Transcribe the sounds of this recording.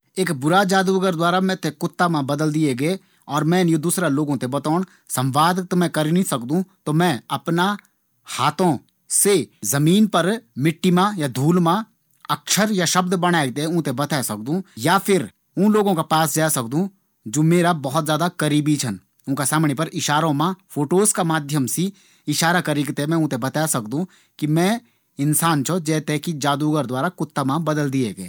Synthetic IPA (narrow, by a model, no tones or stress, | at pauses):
eːkbʊɾad͡ʒaːd̪uəɡəɾd̪waːɾamɛ̃t̪ʰekʊt̪ːamãbɐd̪əld̪ieɡəe | ɔːɾmɛ̃ːjod̪uːsɾaloːɡõt̪ʰebɐt̪aːɳ̃ | sɐ̃mʋaːd̪t̪omɛ̃kɐɾinĩsɐkd̪ũt̪omɛ̃ːɐpna | haːt̪ʰõ | sezɐmiːnpɐɾmɪʈːimãjad̪ʱuːlmã | ɐkʃəɾjaʃəb̚d̪bɐɽ̃aːɡ̚t̪eʊ̃t̪ebɐt̪ʰɛːsɐk̚d̪ũːjapʰɪɾ | ʊ̃ːloːɡõkapaːsd͡ʒaːsɐk̚d̪ũ | d͡ʒoːmeːɾabɐɦʊt̪zjaːd̪akɐɾiːbit͡ʃʰɐn | ʊ̃ːkasaːmnepɐɾɪʃaːɾõmãfʰoːʈoːskamaːd̪ʱjəmsi | ɪʃaːɾakɐɾiɡt̪emɛ̃ʊ̃t̪ebɐt̪aːesɐkd̪ũ | kimɛ̃ | ɪnsaːnt͡ʃʰod͡ʒɛːt̪ekid͡ʒaːd̪uːɡəɾd̪waːɾakʊt̪ːamãbɐd̪əld̪ieɡɐeː